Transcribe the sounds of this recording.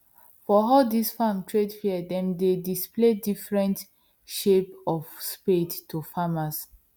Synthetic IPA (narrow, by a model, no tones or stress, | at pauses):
fɔɦaʊdisfamtʰɹedfiədɛ̃mdedispledifɹɛ̃nt | ʃepɔfspettʰːufamas